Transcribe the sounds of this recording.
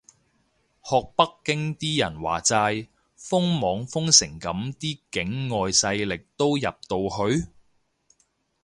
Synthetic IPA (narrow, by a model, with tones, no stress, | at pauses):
hɔː˨k̚pɐ˥kːɪ˥ŋt̪iː˥jɐ̰˨˩nwa̰ː˨˩t͡saː˧j | fʊ˥ŋmɔː˨˥ŋfʊ˥ŋsɪ˨˩ŋkɐ˨˥mt̪iː˥kɪ˨˥ŋːɔː˨jsɐ˧jlɪ˨k̚t̪o˥wjɐ˨p̚t̪o˧whɵ˧ɥ